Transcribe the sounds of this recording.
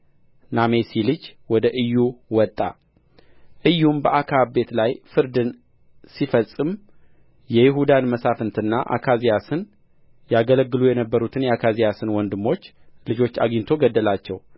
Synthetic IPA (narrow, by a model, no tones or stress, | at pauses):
name̞silɨd͡ʒwɔd̪əʔɨjːuwɔt̪ʼːa | ʔɨjːumbəʔakʰabe̞t̪lajfɨɾd̪ɨn | sifəsʼɨm | jɛjɪɦud̪anməsafɨnt̪ʰɨnːaʔa̰kʰazijasɨn | jaɡələɡːɨlujɛnəbːəɾut̪ʰɨnjɛakʰazijasɨnwɔnd̪ɨmːo̞t͡ʃː | lɨd͡ʒo̞t͡ʃːa̰ɡint̪ʰo̞ɡəd̪ːəlat͡ʃːɛw